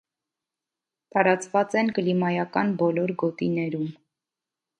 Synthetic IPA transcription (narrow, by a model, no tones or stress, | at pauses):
t̪ɑɾɑt͡svɑt͡sɛnkəlimɑjɑkɑnbɔlɔɾɡɔt̪inɛɾum